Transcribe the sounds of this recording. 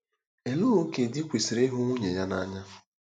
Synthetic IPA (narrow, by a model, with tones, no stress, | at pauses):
e˨lʊ˦ɾʊ˦ke˨dɪ˦kʷe˨si˨ɾe˦ɦʊ˦ŋʷo˦ɲe˨ja˦na˦ɲa˦